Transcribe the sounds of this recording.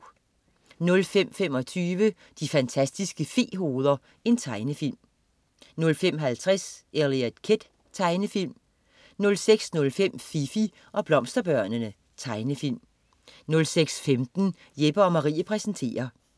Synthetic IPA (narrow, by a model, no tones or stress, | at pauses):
nɔ̽lfem̰femɒ̽t͡sʰyːʋə | d̥ifænt͡sʰæsd̥isɡ̥əfe̝ːɦo̝ːð̞ˠɐ | e̝nt͡sʰɑ̈ɪnəfil̰m | nɔ̽lfem̰ɦælt͡sʰʁaseliæd̥kʰed̥ | t͡sʰɑ̈ɪnəfil̰m | nɔ̽lseɡ̥snɔ̽lfem̰fifi | ʔɒ̽b̥lɒ̽m̰sd̥ɐb̥ɶɐ̰nənə | t͡sʰɑ̈ɪnəfil̰m | nɔ̽lseɡ̥sfemd̥n̩ | jeb̥ɐɒ̽mɑ̈ʁḭːɐpʰʁɛsn̩t͡sʰe̝̰ːɐ